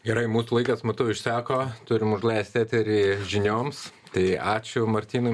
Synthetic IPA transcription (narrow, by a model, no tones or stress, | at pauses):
ɡʲɛɾɐɪmuːsuːlˠɐɪkɐsmɐt̪ʊɪʃʲsʲæːkoːt̪ʊɾʲɪmʊʒlˠɐɪsʲt̪ʲæːt̪ʲɪɾiːʒʲɪnʲoːmst̪ɐɪɑːt͡ʃʲʊmɐɾʲt̪ʲiːnʊ